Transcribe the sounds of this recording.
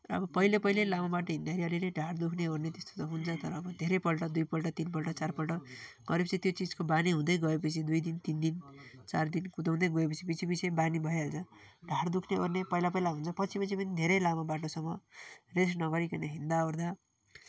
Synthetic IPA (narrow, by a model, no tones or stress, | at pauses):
rʌʌ̰bʌpʌilepʌɦilelamabaʈoɦĩnd̪aɾiʌlileɖʱard̪ukʰneornet̪est̪o̥t̪ʌɦunt͡sʰʌt̪ʌɾʌːbʌd̪ʱeɾʌpʌlʈʌd̪ujpʌlʈʌt̪inpʌlʈʌt͡sarpʌlʈʌɡ̥ʌɾep̬ʌt͡sʰit̪jot͡sid͡zkobaniɦũd̪ʌjɡʌep̬ʌt͡sʰid̪ujd̪int̪ind̪int͡sard̪inkut̪aw̃d̪ʌjɡʌepʌt͡sʰibit͡sʰibisebanibʱʌjeɦʌlt͡sʰʌ | ɖʱard̪ukʰneornepʌɦilap̬ʌjlaɦũnt͡sʰʌpʌt͡sʰipʌt͡sʰipʌnid̪ʱeɾʌjlamabaʈosʌmːʌresnʌɡʌɾikʌneɦind̪aoɾd̪a